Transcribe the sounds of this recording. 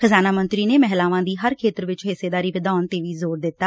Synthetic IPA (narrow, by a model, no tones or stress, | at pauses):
xəzaːnaːmənt̪ɾiːneːmɛɦlaːʋãːd̪iːɦəɾkʰeːt̪əɾʋɪt͡ʃɦɪseːd̪aːɾiːʋɪd̪aːnt̪eːʋiːzoːɾd̪ɪt̪ːaː